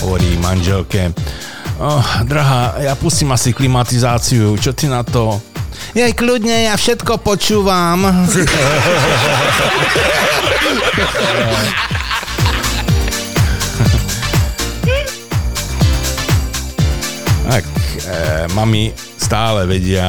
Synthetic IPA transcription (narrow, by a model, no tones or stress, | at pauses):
ɦɔ̰ʋɔɾḭːmanʒɛlkɛ | ɔd̪ɾaɦaːjapusciːmasiklimat̪izaːt͡siut͡ʃɔt̪inat̪ɔ | jajkludɲɛjafʃɛt̪kɔpɔt͡ʃuːʋam | a̰k | mami | st̪aːlɛʋɛɟɪa